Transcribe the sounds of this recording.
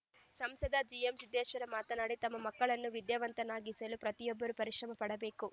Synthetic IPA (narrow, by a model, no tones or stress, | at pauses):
sɐmsɐd̪ʱɐd͡ʒijemsid̪ːeːʃʋɐɾɐmaːt̪ɐnaːɽit̪ɐmːɐmɐkːɐɭɐnːuʋid̪jɐʋɐnt̪ɐnaːɡisɐlupɾɐt̪ijɔbːɐɾupɐɾiʃɾɐmɐpɐɽɐbe̞ːku